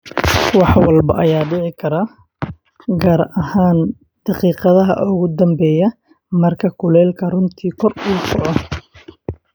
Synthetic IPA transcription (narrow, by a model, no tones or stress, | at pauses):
wɑħwɐlbɐʔɐjaːɖɪʕɪkʰɐɾa | ɡaːɾɐhaːn | d̪̥ɑqiːqɑðɐɦɐ̰ʔʊɣʊd̪ɐmbɛːjɐ | mɐrkʰɐkʰʊlɛːlkʰɐrʊnt̪ʰiːkʰɔruːsʰɔʕɔ